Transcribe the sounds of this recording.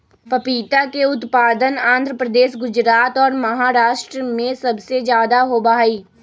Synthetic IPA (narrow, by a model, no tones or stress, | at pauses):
pɐpiːt̪akeʊt̪paːd̪ənãːnd̪ʱɾəpɾəd̪eːʃ̬ɡʊd͡ʒɾaːt̪ɔːɾmɐɦaːɾaːʃʈɾəmẽsɐbsed͡ʒjaːd̪aɦobaːiː